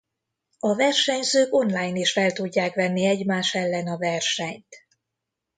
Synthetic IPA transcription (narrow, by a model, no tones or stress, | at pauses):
ɒvɛrʃɛɲzøːko̞nlaːjniʃfɛlt̪uɟːaːkʋɛnːiɛɟmaːʃɛlːɛnɒvɛrʃɛɲt̪